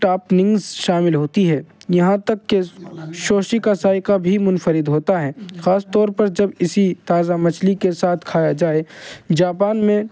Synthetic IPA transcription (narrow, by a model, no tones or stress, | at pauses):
ʈaːpnɪ̃ŋɡzʃaːmɪlɦoːt̪iɦɛːjɐɦãt̪ɐkːeʃoːʃikasaːɪkabʱimʊnfəɾɪd̪ɦoːt̪aɦɛːxaːst̪ɔːɾpɐɾd͡ʒɐbɪsit̪aːzamɐt͡ʃʰlikesaːt̪ʰkʰaːjad͡ʒaːed͡ʒaːpaːnmẽ